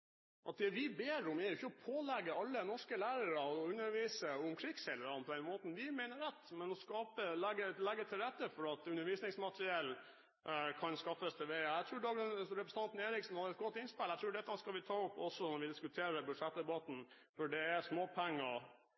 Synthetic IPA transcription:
ʔɑt̪̚d̪ɛʋɪbeːɾʊmɛɾjʊɪçəɔpʰoːlɛɡəɑlːənɔʂkəlæːɾəɾəɔʉnːəɾʋiːsəʊmkʰɾɪɡshɛləɾɑnpɔd̪ɛnmoːt̪n̩ʋɪmeɪnəɾɛt̪ːmɛnɔskɑːpəlɛɡəlɛɡːət̪ʰɪlɾɛt̪ːəfɔɾɑt̪ʉnːəɾʋiːsnɪŋsmɑt̪ɾɪɛl | kʰɑnskɑfəst̪ʰɛʋeɪəæɪt̪ɾʉːɖ̪ɑːɡənɾɛpɾəsn̩ɑnt̪n̩eːɾɪksn̩hɑəɛt̪̚ɡɔt̪ːɪnspɪlːæt̪ʰɾʉːɖɛt̪ːəɑnskɑlʋɪt̪ʰɑːʊpːɔsːɔnɔɾʋɪd̪ɪskʉt̪ʰeːɾəbʉd̪ʂɛt̪̚d̪ɛbɑt̪n̩ | fɔɖɛæsmoːpʰæŋːɑ

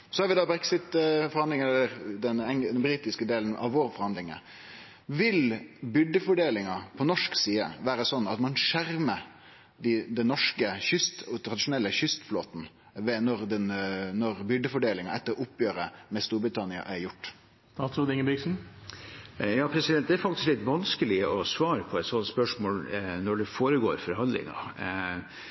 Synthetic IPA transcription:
sɔhɑɾʋɪd̪ɑbɾɛksɪt̪fɔɾhɑnd̪lɪŋələɾd̪ɛnɛŋd̪ɛnbɾiːt̪ɪskəd̪eːln̩ʔɑ̰ʋʋoːɾfɔɾhɑnd̪lɪŋə̰ | ʋɪlbʏɖ̪əfɔɖeːlɪŋɑpʰɔnɔʂksiːə̰ʋæːɾəsɔnːɑt̪mɑnʂæɾmə | d̪ɪd̪ɛnːɔʂkəçʏst̪t̪ʰɾɑd̪ɪʂʊnɛlːəçʏst̪floːt̪n̩ | ʋɛnɔɾd̪ɛnnɔɾbʏɖəfɔɖeːlɪŋɑɛt̪ːəɾʊpːjøːɾəmɛst̪uːɾbɾɪt̪ʰɑnɪɑ̰ʔæɾjʊʈː | t̪ɑud̪ɪŋəbɪksn̩ | jɑːpʰɾɛsɪd̪ɛnt̪̚d̪ɛæɾfɑkt̪ɪsklɪt̪ʋɑnskəlɪəɔsʋɑːɾəpʰɔɛt̪sɔnt̪spœʂmoːlnɔɖɛfoːɾəɡo̰ːɾfɔɾɦɑnd̪lɪ̰ŋɑ̰

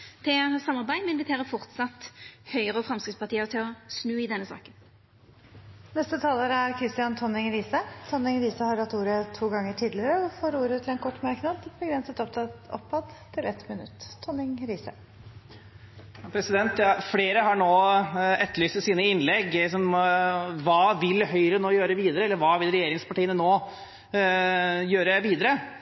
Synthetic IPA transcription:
t̪ʰɛsɑmːɑɾbæɪmɛɪnʋɪt̪ʰeːʁəfɔʁt̪sɑt̪hœʏəʁəɔfɾɑmskɾɪt̪spʰɑʁt̪ʰiːəʁt̪ʰɪlɔsnʉːɪd̪ɛnːəsɑ̰ːkən | nɛst̪ət̪ʰɑːloːɾəæɾkʰɾɪst̪ɪjɑnt̪ʰɔnɪŋɾiːsət̪ʰɔnɪŋɾiːsəhɑɾɑt̪ːuːɾət̪ʰuːɡɑŋːəʈʰiːd̪lɪəɾəɔfoːɾuːɾət̪ʰɪlɛnkʰɔʈːmæɾknɑd̪bəɡɾɛnsət̪ɔpt̪ʰɑt̪ɔ̰pʰːɑd̪t̪ʰːɪlɛt̪mɪnʉ̰t̪ʰːɔnɪŋɾiːsə̰ | ɑpʰɾɛsɪd̪ɛnt̪jɑfleːɾəɦɑɳoːɛt̪ːəɭyːst̪əsiːnəɪnlɛɡ̪ɪksɔm | ʋɑːʋɪlhœʏɾənoːjøːɾəʋiːd̪əɾəɛlːəɾʋɑːʋɪlɾɛjeːɾɪŋspʰɑʈiːənənoː | jøːɾəʋiːd̪əɾə

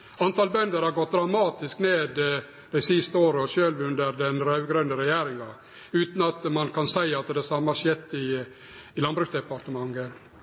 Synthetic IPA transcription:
ɑnt̪ʰɑːlbœnd̪əɾhɑɾɡɔt̪̚d̪ɾɑmɑːt̪ɪskneːd̪ | d̪̥æɪsɪst̪əoːɾəɔʃøːlʋʉnd̪əɾd̪ɛnɾɑʉɡɾœnd̪əɾɛjæːɾɪŋɑ | ʉːt̪n̩ɑt̪mɑnkʰɑnsæɪɑt̪d̪ɛsɑmːəɑʂjɛt̪ːɪː | lɑnbɾʉkt̪d̪ɛpɑɾt̪əmɑŋːə

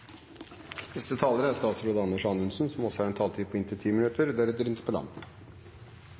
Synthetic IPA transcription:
nɛst̪ət̪ʰɑːləɾəæɾst̪ɑːt̪sɾoːd̪ɑnːəʂɑnʉnsnsɔmɔsɔ̥hɑːɾɛnt̪ʰɑːlt̪ʰiːpʰɔɪnt̪ət̪ʰiːmɪnʉt̪əɾd̪æɖɛt̪ɾɪnt̪ə̥pʰɔlɑ̰nd̪

